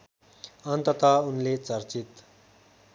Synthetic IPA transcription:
ənt̪ət̪aunlet͡səɾt͡sit̪

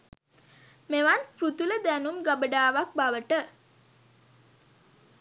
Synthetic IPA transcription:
meʋanpɾut̪uləd̪ænumɡabəɖaːʋak̚baʋəʈə

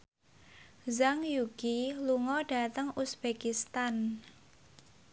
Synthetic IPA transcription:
zaŋjuɡ̥iluŋɔɖ̥a̤t̪əŋusb̥ekist̪an

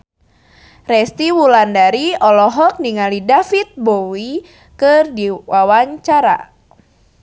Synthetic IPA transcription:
rɛst̪iwulandaɾiɔlɔɦɔk̚niŋalidafit̪̚bowi | kɨrdiwawaɲt͡ʃaɾa̰

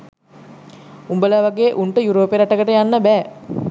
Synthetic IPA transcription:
umbəlaʋaɡeːʔuɳʈəjuɾoːpeɾaʈəɡəʈəjanːəbæː

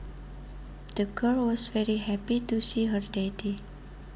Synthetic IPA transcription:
d̪̥əɡɜlwɔsfɛɹiɦɛpitusiɦərdedi

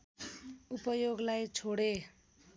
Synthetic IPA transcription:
upʌjoɡlajt͡sʰoɽe

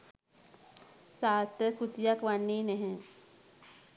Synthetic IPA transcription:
saːt̪əkʊt̪jakʋanːineɦɛ̃

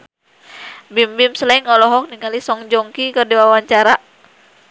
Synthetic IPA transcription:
bimbimsəlaiŋɔlɔɦɔk̚niŋalisɔŋd͡ʒɔŋkikərdiwawaɲt͡ʃaɾa

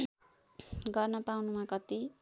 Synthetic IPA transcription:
ɡʌrnʌpawnumãkʌt̪i

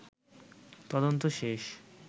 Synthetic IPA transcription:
t̪ɔd̪ont̪oʃeʃ

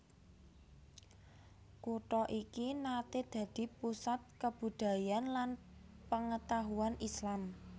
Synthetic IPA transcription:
kuʈɔʔikinat̪ed̪̥ä̤d̪̥i̤pusat̪̚kəb̥ṳd̪̥ä̤janlan | pəŋət̪aɦuanʔislam

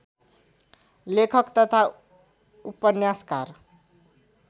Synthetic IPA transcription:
lekʰʌkt̪ʌt̪ʰa | upːʌnjaska̰r

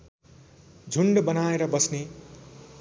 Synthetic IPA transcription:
d͡zʱuɳɖbʌnaeɾʌbʌsne

